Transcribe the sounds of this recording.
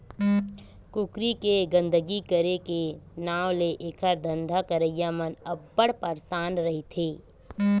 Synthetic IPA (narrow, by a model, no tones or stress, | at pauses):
kʊkɾikeɡə̃nd̪ʱəɡikəɾekenaːwleʔeːkʰəɾd̪ʱə̃nd̪ʱakəɾəjamənɐbːəɽpəɾsaːnɾɐɦit̪ʰeː